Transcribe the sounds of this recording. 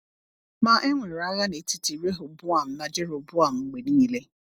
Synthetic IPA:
ma˨ʔe˦ŋʷe˨a˦ɣa˦ne˨˦ti˦ti˨ɾe˦ɦo˨bʊ˦a˨m̩˨˦na˦d͡ʒe˦ɾo˨bʊ˦a˨m̩˨ŋ͡m̩˨ɡ͡be˨niː˦le˦

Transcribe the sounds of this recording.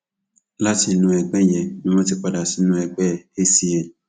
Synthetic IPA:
la˦ti˨˦nũ˨ɛ˨ɡ͡bɛ̃˦jɛ˨nũ˨mã˦tɪ˦k͡pa˨da˨si˨nũ˨ɛ˨k͡pɛ˦˨e˦si˦jɛ˨

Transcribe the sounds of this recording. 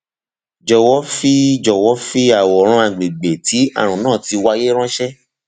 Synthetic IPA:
d͡ʒɔ˨wɔ˨˦fi˦d͡ʒɔ˨wɔ˨˦fi˦a˨wɔ˨˦ɾ̃ɔ̃˧a˨ɡ͡be˨ɡ͡be˨ti˨˦a̰˦˨ɾ̃ũ˨nãː˦˨ti˧wa˧je˦ɾ̃ã˦ʃɛ˦

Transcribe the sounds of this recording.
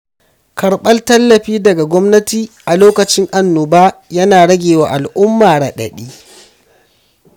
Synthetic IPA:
kʰɐ˨ɽɓɐ˦ltɐ˦lːɐ˨ɸiː˦dɐ˨ɡa˨ɡʷɔ˦mnɐ˦tiː˨ʔa˨loː˦kɐ˨t͡ʃɪ˦ŋʔa˦nːʊ˨baː˦jɐ˦naː˨ɽɐ˦ɡʲeː˨wa̰ː˨ʔa˨lʔʊ˦mːaː˨ɽɐ˨ɗɐ̰˨ɗiː˦

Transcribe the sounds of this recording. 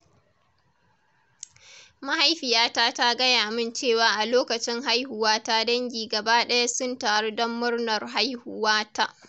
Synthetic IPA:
ma˦ha˦jɸɪ˨jaː˦taː˦ta˦ɡɐ˦jaː˨mɪ˦nt͡ʃeː˦˨waː˨˦ʔa˨loː˦kɐ˨t͡ʃɪ˦ŋɦa˦jɦʊ˨waː˦ta˦dɐ˦ŋɡʲiː˨ɡɐ˨baː˦ɗɐ˦ja˦sʊ˦nta˨ɐ˦rdɐ˦mːʊ˦rnɐ˨rɦa˦jhʊ˦waː˦ta˦ʔ

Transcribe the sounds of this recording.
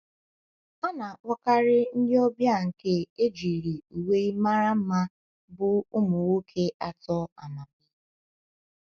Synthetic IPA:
a˦na˨wʷɔ˦ka˦ɾɪ˦n̩˦dɪ˦ɔ˦bja˦ŋ̩˨ke˦e˦d͡ʒi˨ɾi˨u˨we˦i˦ma˦ɾa˦m̩˦ma˦ | bʊ˦ʊ˦mʊ˨wo˦kʰe˦ʔa˨tɔ˦a˨ma˨k̚ɪ˨

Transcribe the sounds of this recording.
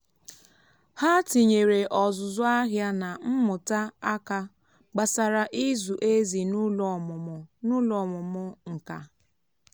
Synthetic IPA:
ha˦ti˨ɲe˨ɾe˨ʔɔ˨zʊ˨zʊ˦a˦ɦja˦na˨m̩˦mʊ˨ta˦a˦ka˦ | ɡ͡ba˨sa˨ɾa˨ʔi˦zu˨ʔe˦zi˨nu˦lɔ˨m˨nʊ˦lɔ˨mʊ˨mʊ˦ŋ̩˨ka̰˦

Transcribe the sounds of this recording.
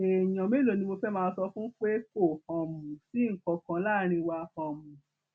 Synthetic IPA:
e˨j̃ɔ̃˨me˨˦lo˨nĩ˧mo˧fɛ˦mãː˦˧˦sɔ˧fũ˦k͡pe˦ko˦˨hɔ̃˨mũ˨si˨˦ŋ̩˦˨kɔ˨˧kã˧˦la˦˨ɾ̃ĩ˧wa˧hɔ̃˨mũ˨

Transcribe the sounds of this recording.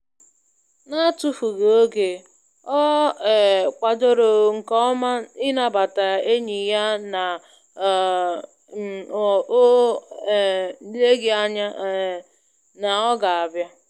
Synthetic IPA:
na˦tu˦fu˨ɣo˨o˦ɡe˨ | ɔ˦˨ | kʷa˨do˦ɾo˨ŋ̩˨kɔ˦ma˦ɪ˦na˨ba˨ta˨e˦ɲi˨ja˦na˨˦˨ | le˦ɡɪ˨a˦ɲa˦ | na˨ɔ˦ɡa˨a˨bja˦

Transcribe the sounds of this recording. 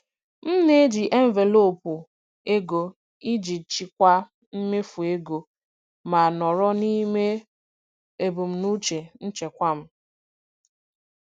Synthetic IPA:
m̩˦ne˦e˦d͡ʒi˨ʔe˦m̩˦ve˨lo˦˨pu˨ | e˦ɡo˨ | i˦d͡ʒi˨t͡ʃi˨kʷa˦ | m̩˦me˦fu˨e˦ɡo˨ | ma˨nɔ˨ɾɔ˦ni˦me˦ | e˨bu˨m̩˨nu˦t͡ʃe˨n̩˦t͡ʃe˨kʷa˦m̩˦

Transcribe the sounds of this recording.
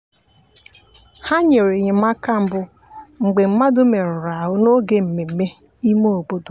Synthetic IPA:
ha˦ɲe˨ɾe˨ɲe˨ma˦ka˦m̩˦bʊ˨ | ŋ͡m̩˨ɡ͡be˨m̩˦ma˦dʊ˦me˨ɾʊ˨ɾa˨ɦʊ˦no˦ɡe˦m̩˨me˨˦me˦ | i˦mo˦o˨bo˦do˨

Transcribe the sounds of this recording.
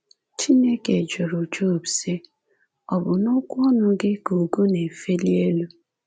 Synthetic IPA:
t͡ʃi˦ne˦ke˨d͡ʒo˨ɾu˨d͡ʒo˦˨bse˦ | ɔ˨bʊ˨nʊ˦kʷʊ˦ɔ˦nʊ˦ɡɪ˦ko˨ɡo˦ne˨fe˦li˦e˦lu˦

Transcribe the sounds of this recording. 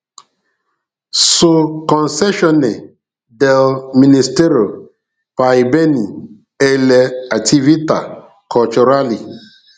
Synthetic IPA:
so˨kɔ˨nsɛ˦ʃɔ˦ne˨ | de˨lmi˨ni˨ste˦ɾi˨o˨ | pa˨i˨be˦ni˨ | e˨le˨a˨ti˦vi˦ta̰˨ | kʰɔ˨t͡ʃu˨ɾa˦li˨

